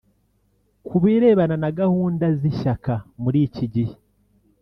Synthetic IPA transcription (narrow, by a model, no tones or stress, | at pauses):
kuβiːɾe̞ːβananaɡahuːndaziʃakamuɾiːciɟi